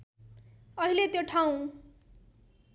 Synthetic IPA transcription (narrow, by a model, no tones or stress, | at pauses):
ʌɦilet̪joʈʰaw̃